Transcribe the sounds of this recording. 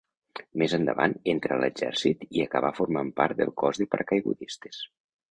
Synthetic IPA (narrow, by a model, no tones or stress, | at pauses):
mezənd̪ə̰βa̰nent̪ɾələd͡ʒɛ̰ɾsit̪iəkəβ̞afuɾmampaɾt̪̚d̪əlˠkɔzðəpəɾkajɣṵðist̪e̥s